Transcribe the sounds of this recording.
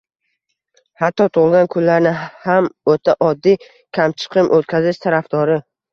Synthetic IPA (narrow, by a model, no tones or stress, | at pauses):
hat̪ʰːɒt̪ʰʊʁlˠɡʲankʰʊlːaɾnɪhamot̪ʰaʔɒd̪ːi | kʲʰamt͡ʃʰɨ̥qʰɨmʔɵt̪̚kʲʰazɪʃt̪ʰaɾafd̪̥ɒɾɪ